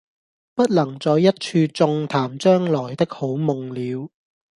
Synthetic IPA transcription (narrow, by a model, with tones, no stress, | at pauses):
pɐ˥t̚lɐ˨˩ŋt͡sɔː˨˧jːɐ˥t̚t͡ʃʰyː˧t͡sʊ˧ŋt̪ʰaː˨˩mt͡ʃœː˥ŋlɔː˨˩jt̪ɪ˥k̚ho˨˥wmʊ˨ŋliː˨˧w